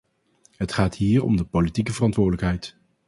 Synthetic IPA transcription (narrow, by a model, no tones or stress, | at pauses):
ɦətχaːtɦiːɹɔ̰mdəpolitikəvərɑntʋʊːɹdələkɦɛjt